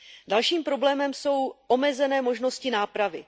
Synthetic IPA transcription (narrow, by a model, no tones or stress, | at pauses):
dalʃiːmpɾo̞blɛːmɛmso̞wʔo̞mɛzɛnɛːmo̞ʒno̞scɪnaːpɾavɪ